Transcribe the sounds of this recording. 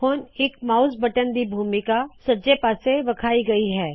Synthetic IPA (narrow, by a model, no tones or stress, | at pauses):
hʊnɪkmaːʊsbɐʈənd̪ibʱuːmɪkasɐd͡ʒepaːseʋɐkʰaːiɡɐiɦɛː